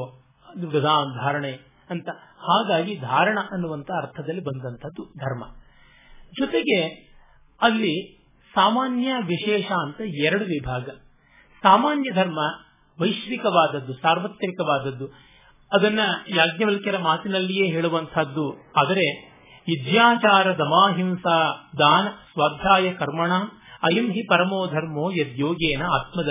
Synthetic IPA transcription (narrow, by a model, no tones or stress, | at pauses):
d̪uɡɐd̪ʱaːmd̪ʱaːɾɐɳe | ɐnt̪ɐhaːɡaːɡid̪ʱaːɾɐɳɐʔɐnːuʋɐnt̪ʰɐɐɾt̪ʰɐd̪ɐlːibɐnd̪ɐnt̪ʰɐd̪ːud̪ʱɐɾmɐ | d͡ʒɔt̪eɡe̞ | ɐlːi | saːmaːnjɐʋiʂɛːʃaːnt̪ɐɛɾɐɽuʋibʱaːɡɐ | saːmaːnjɐd̪ʱɐɾmɐ | ʋɐjʃʋikɐʋaːd̪ɐd̪ːusaːɾʋɐt̪ːɐɾikɐʋaːd̪ɐd̪ːu | ɐd̪ɐnːɐjaːɡnɐʋɐlkɐɾɐmaːt̪inɐlːijeːɦeːɭuʋɐnt̪ʰɐd̪ːuaːd̪ɐɾe̞ | ʋid̪jaːt͡ʃaːɾɐd̪ɐmaːɦimsaːd̪aːnɐsʋaːd̪ʱjaːjɐkɐɾmɐɳaːm | ɐjɐmɦipɐɾɐmoːd̪ʱɐɾmoːjɐd̪joːɡeːnɐaːt̪mɐd̪ɐ